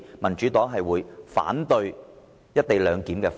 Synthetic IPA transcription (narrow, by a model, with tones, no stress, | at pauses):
mɐ˨˩nt͡ʃyː˨˥t̪ɔː˨˥ŋɦɐ˨jwuː˨˧jfa̰ː˨˥nt̪ɵ˧ɥ | jɐ˥t̚t̪e˨jlœː˨˧ŋkiː˨˥mkɛː˧f